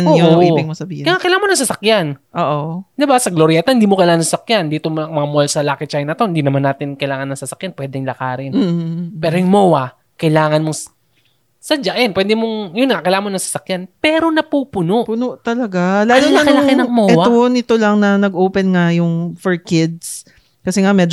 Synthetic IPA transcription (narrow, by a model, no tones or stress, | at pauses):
nːjoiːɪŋmosɐbiːhkaŋakɐjlaːɐmonɐŋsɐsɐkjanʔoːʔod̪ɪbasɐɡloɾjat̪ohɪnd̪iːmokɐjlaːŋɐnsɐsɐkjand̪iːt̪omoɐŋmɐŋamolsɐlaːkɪt͡ʃajnɐt̪o̞hɪnd̪iːnɐmanːaːt̪ɪnkɐjlaːŋɐnːɐŋsɐsɐkjanpwɛd̪ɛŋlɐkaːɾɪnm̩ːpɛːɾojʊŋmowɐ | kɐjlaːŋɐnmoŋ | sɐd͡ʒaʔɛnpwɛːd̪ɪmoŋjʊnŋakɐjlaːɐmonɐŋsɐsɐkjanpɛːɾo̞nɐpuːpʊnoʔpʊnoʔt̪ɐlɐɡalaːlonakɐlaɪnɐŋmoʔɛwaonɪt̪o̞lɐŋnɐnɐɡʔoːpɛnŋajʊŋfɔɹkɪd̪̚s | kɐsɛŋamɛːd͡ʒ